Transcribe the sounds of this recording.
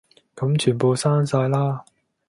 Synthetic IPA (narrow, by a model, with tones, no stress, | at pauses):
kɐ˨˥mt͡ʃʰyː˨˩npo˨˧wsaː˥nsaː˧jlaː˥